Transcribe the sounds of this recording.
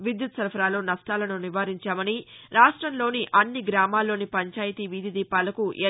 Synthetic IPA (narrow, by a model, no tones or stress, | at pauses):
ʋid̪jut̪sɐɾpʰɐɾaːloːnɐʂʈaːlɐnuniʋaːɾiɲt͡ʃaːmɐniɾaːʂʈɾɐmlo̞ːniʔɐnːiɡɾaːmaːlːo̞ːnipɐɲt͡ʃaːjit̪iːʋid̪ʱid̪iːpaːlɐkuʔe